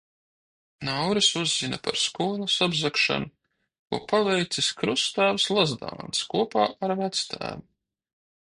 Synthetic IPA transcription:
nawɾisuzːinɐpa̰ɾskuːlˠusabzakʃa̰nu | kṵːpavɛjt̪siskɾust̪æːvslˠazd̪a̰ːnskuɔpaːaɾvæt̪st̪ʰæ̰ːvu

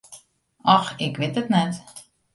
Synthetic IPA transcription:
ɑxɪkʋɪtətnɛt

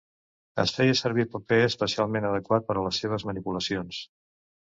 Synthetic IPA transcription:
ə̰sfɛjəsəɾβipəpeəspəsialˠmenəðəkwat̪̚pəɾələsːeβ̞əzmənipuləsions

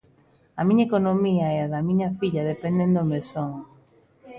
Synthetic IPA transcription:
ɐmĩɲɐekonomiɐɛaðɐmĩɲɐfiʎɐðepẽnd̪ẽnd̪omesoŋ

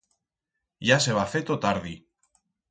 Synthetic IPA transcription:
ʝaseβafet̪ot̪aɾði

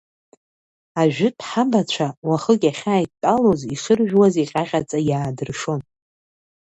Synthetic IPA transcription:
aʒᶣɪtʰʼħabat͡ɕʷʰawaχəkʲʼaχʲaːjtʼalo̞ziχɨrʒᶣwaziqʲʼaʁʲat͡sʼajaːdɨrʂo̞n

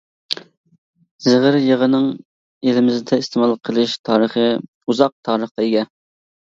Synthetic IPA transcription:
zɪʁəɾjəʁənɨŋ | elɪmɪzɪd̪ʰɛist̪ʰemɑlˠqʰəlˠɨʃt̪ʰɑːɾəχə | uzɑq̚t̪ʰɑːɾəχqɑeɡʲɛ

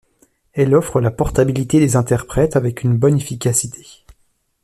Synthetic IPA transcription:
ɛlɔfχəlapɔʁt̪abilit̪ed̪ezɛ̃t̪ɛʁpχɛt̪avɛkʲynbɔnefikʲasit̪ʰe̥

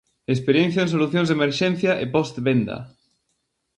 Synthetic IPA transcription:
espeɾjenθjoẽnsoluθjõnzðemeɾʃɛn̟θjaʔepɔst̪βend̪ɐ̰

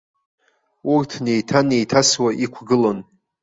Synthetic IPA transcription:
urtʰne̞jtʰane̞jtʰaswaʔikʷʰɡɨlon

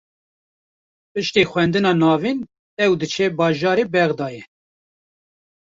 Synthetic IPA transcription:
pɨʃt̪eːxʷwɛnd̪ɨnɑːnɑːviːn | ɛwd̪ɨt͡ʃʰɛbɑːʒɑːɾeːbɛɣd̪ɑːjɛ

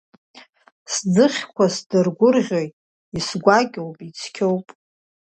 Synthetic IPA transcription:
sd͡zɨχʲkʷʰasdɨrɡʷʊrʁʲo̞jtʼ | isɡʷaɡʲowpʼit͡sʰkʲʰowpʼ

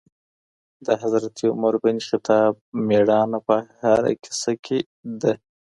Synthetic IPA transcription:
d̪əɦazɾat̪ʰiʊmaɾbanixɪt̪ʰɑb̚meɽɑnapəhaɾa̰kʰɪ̥sakʰe | d̪a

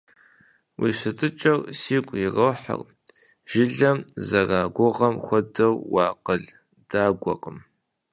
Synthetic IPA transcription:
wʔḭːsɨtʰʼɨt͡ʃʼɐrsiːkʷʼjɪrɐwħa̰r | ʒ̥ɪɮɐmzɐraːɡʷʊʁɐmxʷɔdɐwwɑːqəɮ | d̥aːɡʷɔ̰qəm

